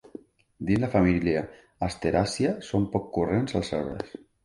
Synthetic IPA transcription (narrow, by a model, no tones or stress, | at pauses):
d̪inlafamiljaː | st̪eɾasiasompɔkːurenzalˠsɛ̰βɾḛs